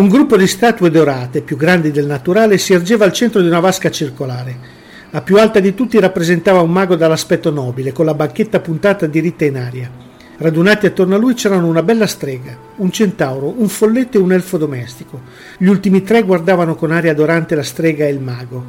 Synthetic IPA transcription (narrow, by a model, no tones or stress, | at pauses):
uŋɡɾupːod̪ist̪aːt̪ued̪oɾaːt̪epjuɡɾand̪id̪elnat̪uɾaːlesierd͡ʒeːvaːlt͡ʃɛnt̪ɾod̪iunavaskat͡ʃirkolaːɾe | lapjualt̪ad̪it̪ut̪ːiɾapːɾezent̪aːvaumːaːɡod̪alːaspɛt̪ːonɔːbilekonlabaŋk̟et̪ːapunt̪aːt̪ad̪iɾit̪ːainaːɾja | rad̪unaːt̪iat̪ːornoalːujt͡ʃɛːɾanounabɛlːast̪ɾɛːɡa | unt͡ʃent̪awɾouɱfolːet̪ːoeunɛlfod̪omɛst̪iko | ʎiult̪imit̪ɾɛɡward̪aːvanokonaːɾjad̪oɾant̪elast̪ɾɛːɡaelmaːɡo